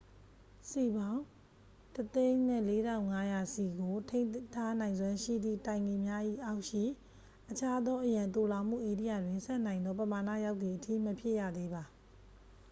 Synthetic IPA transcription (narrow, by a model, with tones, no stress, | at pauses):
si˨bã˦ʊ̃ | tət̪ẽ˦ɪ̃nɛ̰˦˨le˦ɾã˦˨ʊ̃ŋa˦ja˨si˨ɡo˨tʰẽ˦ɪ̃ntʰa˦nã˨ɪ̃nzwã˦ʃḭ˦˨d̪ðḭ˦˨tã˨ɪ̃ŋe˨mja˦ʔḭ˦˨ʔa˦ʊʔʃḭ˦˨ | ʔət͡ɕʰa˦d̪ɔ˦ʔəjã˨nt̪o˨la˨m̥ṵ˦˨ʔe˨di˦ja̰˦˨dwɪ̃˨nsɛ˦nã˨ɪ̃nd̪ɔ˦pəma˨na̰˦˨ja˦ʊt̪i˨ʔətʰḭ˦˨məpʰjɪ˦ʔjä̰˦˨d̪e˦ba˨